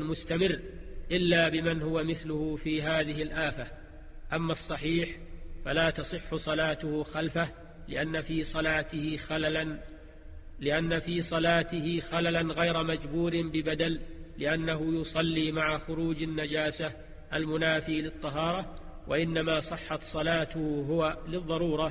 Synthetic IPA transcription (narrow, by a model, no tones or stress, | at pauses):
mʊst̪amɪrːʔɪlːaːbɪmanhʊwamɪθlʊhʊfiːɦaːðɪɦɪlʔaːfa | ʔamːasˤːɑħiːħfalaːt̪ɑsˤɨħːʊsˤɑlaːt̪ʊhʊxalfa | lɪ̰ʔanːafiːsˤɑlaːt̪ɪhɪ | lɪʔanːafiːsˤɑlaːt̪ɪhɪxalalanɣajɾmad͡ʒbuːɾɪmbɪbad̪alːɪʔanːaɦʊjʊsˤɑlːiːmaʕaxʊɾuːd͡ʒanːad͡ʒaːsa | ʔalmʊnaːfiːlɨt̪ˤːɑɦɑːɾˤɑ | wʔa̰ʔɪnːamaːsˤɨħːɑt̪sˤɑlaːt̪ʊhɦʊwalɨðˤːɑɾˤuːɾˤɑ